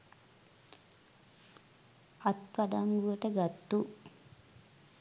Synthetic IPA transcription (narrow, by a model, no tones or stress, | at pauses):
at̪̚paɖamɡuʋəʈəɡat̪ːu